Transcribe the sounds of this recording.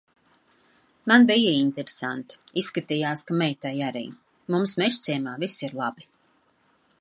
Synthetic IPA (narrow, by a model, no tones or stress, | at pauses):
manbijəint̪ɛɾesant̪isːkat̪ijaːskamɛjt̪ajaɾḭː | mumsmɛʃt̪siɛmaːvisiɾlˠabi